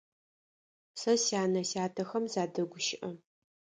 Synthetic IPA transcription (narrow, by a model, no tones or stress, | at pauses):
sɐsjaːnɐsjaːtʰɐxɐmzaːdɐɡʷʊʃɪʔɐ